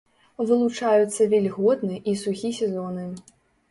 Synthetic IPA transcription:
vɨlˠut͡ʂajut̪sːɐvʲɛlʲɣɔd̪nɨʔisuɣʲisʲɛzɔnɨ

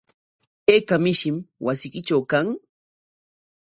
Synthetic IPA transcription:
eːkamɪʃɪmwasɪkɪt͡ʃawkaŋ

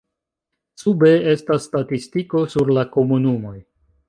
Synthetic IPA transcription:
sube̞e̞stasːtatistiko̞suɾlako̞munumo̞j

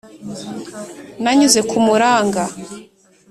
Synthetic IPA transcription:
naɲuze̞kumuɾaːŋɡa

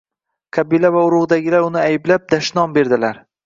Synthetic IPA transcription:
qʰɑbilavaʊɾʊʁd̪aɡʲɪlaɾʊnɪajɪblap̚d̪aʃnɒmbe̞ɾd̪ɪlaɾ

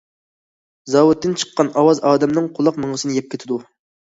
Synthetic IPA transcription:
zɑwut̪ʰːɪnt͡ʃʰə̥qːɑnɑwɑzɑːd̪ɛmnɨŋqʰʊlˠɑqməɴəsɨnɨjɛp̚kʲet̪ʰɪd̪u

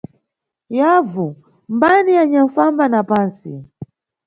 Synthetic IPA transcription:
javu | mbaniaɲaɱfambanapaːnsḭ

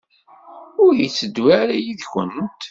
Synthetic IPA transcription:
ʊɾjit͡sːəd̪waɾajiðçənt̪

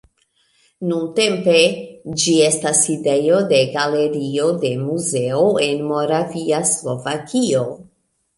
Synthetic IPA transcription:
nunte̞mpe̞d͡ʒie̞staside̞jo̞de̞ɡale̞ɾio̞de̞muze̞oe̞nmo̞ɾaviaslo̞vakio̞

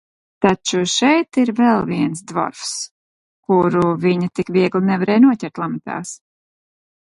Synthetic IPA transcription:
t̪at͡ʃuʃɛjt̪iɾvɛlˠviɛns̬d̪vɔ̰ɾfs | kuɾuviɲat̪ikvʲiɛɡlinɛvaɾɛːjnuɔcʲɛɾt̪lˠamɛt̪a̰ːs

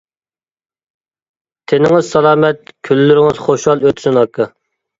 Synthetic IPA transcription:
t̪ʰenɪŋɨzsɑlˠɑːmɛt̪̚kʲʰylːyɾɪŋɨz̥χoʃɑlˠøt̪ʰsɪnɑkʰɨ

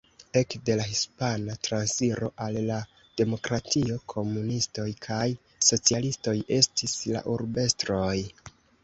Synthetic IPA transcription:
e̞kde̞laɦispanatɾansiɾo̞̰ʔalːa | d̥e̞mo̞kɾatʰio̞kʰo̞munisto̞jkʰaj | so̞t͡sialisto̞jʔe̞stisla̰ʔuɾbe̞stɾo̞j

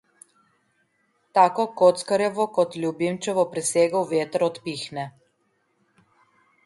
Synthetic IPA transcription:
t̪aːkɔkot̪skəɾjɛʋɔkɔt̪lʲjubimt͡ʃɛʋɔpɾɛseːɡəwʋeːt̪əɾɔt̪pixnɛ

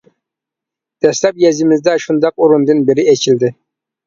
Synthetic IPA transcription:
d̪̥ɛslɛp̚jɛzɪmɪzd̪ɛʃund̪ɑq̚uɾund̪ɨnbɪɾɪɛt͡ʃʰild̪ɪ

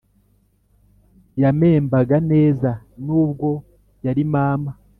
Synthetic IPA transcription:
jame̞ːmbaɡane̞ːza | nuːb̚ɡo̞ | jaɾimaːma

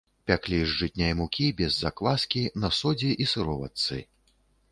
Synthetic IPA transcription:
pʲaklʲiʐd͡ʐɨtʲnʲajmukʲibʲɛzːaklˠaskʲinɐsɔd͡zʲiʔisɨɾɔva̰t̪sɨ̰

